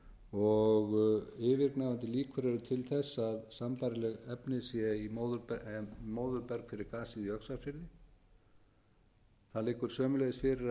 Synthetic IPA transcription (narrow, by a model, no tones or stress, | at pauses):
ɔɣɪvɪɾknavant̪ɪliːkʰʏɾɛɾʏt̪ʰɪlθɛsːaðsampaɾɪlɛɣɛpnɪsjɛimoðʏɾpmoːwðʏɾpɛɾkfɪɾɪɾkaːsiðiœksafjɪllɪ | θaðlɪːkːʏɾ̥sœːmʏlejðɪsfɪɾɪɾ